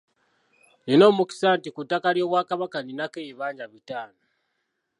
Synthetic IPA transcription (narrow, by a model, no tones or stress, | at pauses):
lino̞ːmuki̥saːntikutakaljo̞βwakaβakaninakeiβaːɲɟaβitaːno